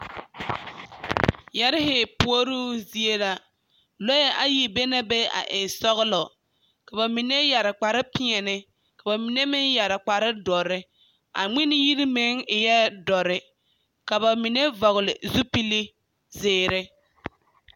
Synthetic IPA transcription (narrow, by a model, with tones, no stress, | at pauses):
jɛ˦ɾɪ˦ɦɪ˨pu˦o˦ɾuː˦zi˦e˦la˨ | lo˦jɛ˦ʔa˨ji˨be˦na˦be˦a̰˨ʔɪ˨sɔ˦ɣʊ˦lɔ˨ | ka˨ba˨mi˨ne˦ja˨ɾɪ˨k͡pa˨ɾɪ˦pɪ˦ɛ˨nɪ˦ | ka˨ba˨mi˨ne˦mɪ˦nja˨ɾɪ˨k͡pa˨ɾɪ˦dɔ˨ɾɪ˦ | a̰˨ŋ͡mɪ˦nɪ˦ji˦ɾi˦mɪ˦ŋɪ˨jɛ˦dɔ˨ɾɪ˦ | ka˨βa˨mi˨ne˦vɔ˨ɣɪ˨lɪ˨zu˦pi˦li˦ | zɪː˦˨ɾɪ˦